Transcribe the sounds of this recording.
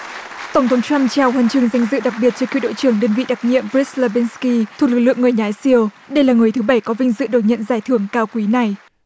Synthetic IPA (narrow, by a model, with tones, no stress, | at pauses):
t̪ə˧˩wŋ͡mt̪ʰə˨˦ŋ͡mt͡ɕwa˧mt͡ɕaː˨˩whə˨˩nt͡ɕɨ˨˧˩əŋza˧jŋ̟zɨ̰˧˨ɗa˨˩k̚ɓi˨˩ət̚t͡ɕɔ˧kḭ˧˨ɗo̰˧˨jt͡ɕɨ˧˩əŋɗəː˧˩nvḭ˧˨ɗa˨˩k̚ɲḭ˧˨əmbi˦˥t̚lə˧vi˧˦nski˧t̪ʰk̚lɨ˨˩k̚lɨ˧˨əŋːɨ˨˩əjɲaː˨˦jsi˧˩əw | ɗə˧jlaː˨˩ŋɨ˨˩əjt̪ʰɨ˨˦ɓa˧˩jkɔ˨˦vï˧ŋ̟zɨ̰˧˨ɗo˨˩t̚ɲə̰˧˨nzaː˧˩jt̪ʰɨ˧˩əŋkaː˧wkwi˨˦na˨˩j